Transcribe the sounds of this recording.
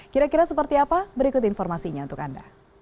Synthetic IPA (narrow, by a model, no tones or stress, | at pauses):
kiɾakiɾasəpərt̪iapabəɾikʊt̪infɔrmasiɲaunt̪ʊka̰nda